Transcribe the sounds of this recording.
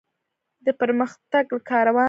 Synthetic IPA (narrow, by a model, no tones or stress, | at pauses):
d̪əpəɾməxt̪aɡlakʰɑɾawɑ